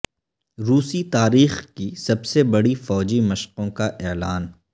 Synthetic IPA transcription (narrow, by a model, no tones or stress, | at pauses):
ɾuːsit̪aːɾiːxkisɐbsebɐɽifɔːd͡ʒimɐʃqõkaʔɛːlaːn